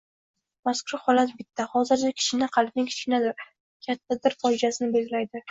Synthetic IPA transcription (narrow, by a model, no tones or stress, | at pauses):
maskʰʊɾhɒlat̪bɪt̪ʰːahɒzɪɾt͡ʃʰakʲʰɪ̥ʃɪnɪqʰɑlˠb̚nɪŋʲkʰɪ̥t͡ʃkʲɪnad̪ɪɾ | kʲʰat̪ʰːad̪ɪɾfɒɪd͡ʒasɪnɪbelɡʲɪlajd̪ɪ